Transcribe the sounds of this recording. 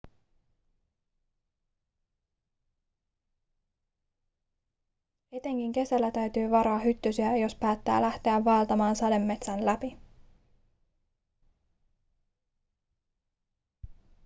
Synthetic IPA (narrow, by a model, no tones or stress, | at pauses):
et̪e̞ŋkiŋk̟e̞sælːæt̪æɥt̪yːʋɑɾo̞ɑɦyt̪ːysiæjo̞spæːt̪ːæ̰ːlæht̪e̞æʋːɑelt̪ɑmɑːnsɑde̞mːe̞t̪sænlæpi